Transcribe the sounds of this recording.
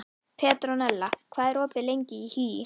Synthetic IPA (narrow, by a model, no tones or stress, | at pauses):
pʰɛːt̪ɾɔnɛlːakʰvaːðɛɾɔːpɪlejɲcɪihyːjɪ